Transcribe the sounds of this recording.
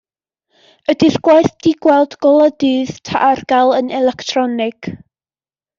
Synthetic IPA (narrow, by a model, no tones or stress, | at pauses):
ədɪrɡ̥wajθd̥iɡ̥wɛlˠdɡ̥ɔlˠadɨːð̥tʰaʔarɡ̥alˠənɛlɛktʰrɔnɪɡ̥